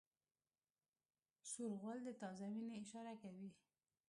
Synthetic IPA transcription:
suɾɣəld̪ət̪ɑzamineɪʃɑɾakawi

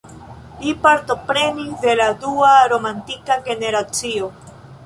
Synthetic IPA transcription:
lipaɾt̪o̞pɾe̞nisd̪e̞lad̪uaɾo̞mantikaɡe̞ne̞ɾat͡sio̞

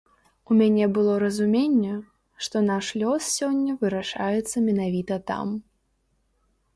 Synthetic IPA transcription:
umʲanʲɛbɨlˠɔɾɐzumʲenʲːɛ | ʂt̪ɔnaʂlʲɔssʲɔnʲːɐvɨɾaʂajɛt̪sːɐmʲɛnavʲit̪ɐt̪a̰m

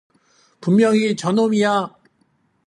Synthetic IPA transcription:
pumːjʌŋit͡ɕʌnomija

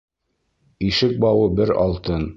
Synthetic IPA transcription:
iʃɘk̚bɑwɤbɘɾɑ̰lˠt̪ɤn

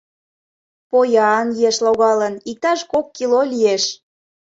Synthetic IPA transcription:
pojɑnjeʃloɣɑlənik̚t̪ɑʃkokːilolʲieʃ

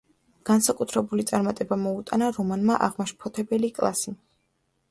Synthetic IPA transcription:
ɡ̥ansakʼut̪ʰɾɛbulit̪sʼaɾmat̪ʼɛbamɔut̪ʼanaɾɔmanmaʔaʁmaʃpʰɔt̪ʰɛbɛlikʼlˠa̰si

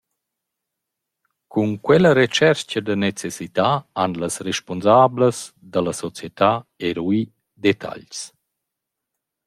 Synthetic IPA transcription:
kunkwɛləɾet͡ʃɛɾt͡ʃəd̪ənet͡sesit̪aanlasreʃponzaːbləs | d̪aləsɔt͡sjet̪aeɾwi | d̪et̪ʰa̰ʎs

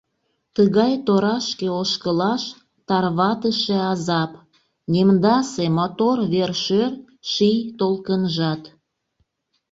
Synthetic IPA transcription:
t̪əɣɑjt̪oɾɑʃkeoʃkəlɑʃ | t̪ɑrβɑt̪əʃeɑzɑp | nʲemd̪ɑsemot̪orβerʃør | ʃijt̪olkənʒɑt̪

